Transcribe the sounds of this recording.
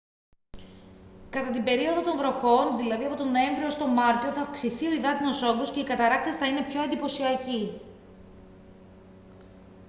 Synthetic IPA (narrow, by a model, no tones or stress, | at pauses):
kɐt̪ɐt̪imbe̞ɾio̞ðot̪o̞ɱvɾo̞xo̞nðilɐðiɐpo̞t̪ono̞e̞ɱvɾioost̪o̞mɐɾt̪ioθɐːfksiθio̞iðɐt̪ino̞so̞ɡosce̞ikɐt̪ɐɾɐk̚t̪e̞sθɐine̞pço̞ɐnd̪ipo̞siɐci